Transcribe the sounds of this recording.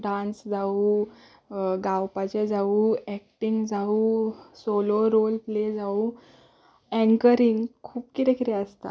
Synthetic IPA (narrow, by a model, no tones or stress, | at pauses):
ɖãnsd͡zauː | ɡawpat͡ɕed͡zauɛk̚ʈiŋɡd͡zauːsoloɾolpled͡zau | ɛ̃ŋkəɾiŋɡkʰuːpkit̪ẽkit̪eəst̪a̰